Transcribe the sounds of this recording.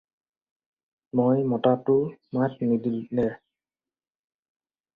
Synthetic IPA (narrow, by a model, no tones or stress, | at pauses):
mojmɔtatʊmat̚nidilnɛ